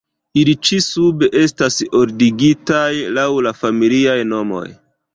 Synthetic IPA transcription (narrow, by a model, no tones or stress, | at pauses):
ilit͡ʃisubeʔe̞staso̞ɾdiɡitajlawlafamiliajno̞mo̞̰j